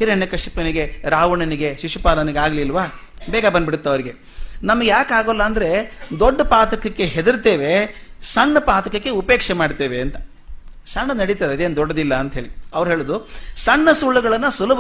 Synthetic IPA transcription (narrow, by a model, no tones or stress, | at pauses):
hiɾɐɳjɐkɐʂipɐniɡe̞ɾaːʋɐɳɐniɡeʃiʂupaːlɐniɡeaːɡlilʋaː | bɛːɡɐbɐnd̪biɽut̪ːɐʋɐɾiɡe̞ | nɐmɐɡejaːkaːɡolːɐːnd̪ɐɾe̞d̪oɖːɐpaːt̪ɐkɐkːe̞ɦed̪iɾt̪eːʋe̞sɐɳːɐpaːt̪ɐkɐkːe̞upeːkʂɛmaːɖt̪eːʋeɐnt̪ɐ̥ | sɐɳːɐnɐɽit̪aːd̪ed̪eːnd̪ɔɖːɐd̪ilːɐːnt̪ɐɦe̞ːɭiɐʋɐɾuɦe̞ːɭud̪usɐɳːɐsuːɭuɡɐɭɐnːɐsulɐb